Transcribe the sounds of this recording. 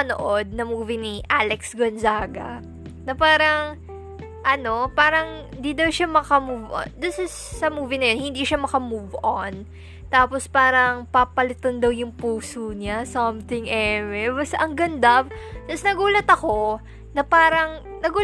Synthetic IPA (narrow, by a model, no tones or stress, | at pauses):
ɐno̰ʔo̞d̪̚nɐmuːvɪniʔalɛksɡonzaːɡɐ̰ | nɐpaːɾɐŋ | ʔɐno̞paːɾɐŋ | ɪnd̪id̪ɐwʃamɐkɐmuvʔo̰nd̪ɪsɪsːɐmuːvinɐjohɪnd̪iʃamɐkɐmuvʔon | t̪aːpospaːɾɐŋpapɐlɪt̪ond̪ɐwjʊŋpuːsuɲasɔmt̪ɪŋʔɛmɛbɐsɐŋɡɐnd̪ab̚t̪ɐsnɐɡuːlɐt̪ɐko̞ | nɐpaːɾɐŋ | nɐɡuː